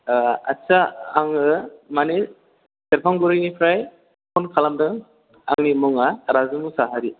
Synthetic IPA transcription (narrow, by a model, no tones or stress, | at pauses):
a̰t͡ʃaaŋɯmane | seɾpʰaŋɡuɾɯjnipʰɾaj | pʰɔnkʰalamdɯŋ | a̰ŋnimɔŋaɾazɯmusaɦaɾi